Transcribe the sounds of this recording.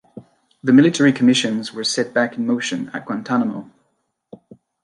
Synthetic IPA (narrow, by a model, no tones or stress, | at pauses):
ðəmɪlˠɨtʰɛɹikʰəmɪʃɨ̃nzwə˞sɛʔ̚b̥akɪ̃n̩moʊʃə̃nə̰ʔ̚ɡ̥wãntʰanəmo̰ʊ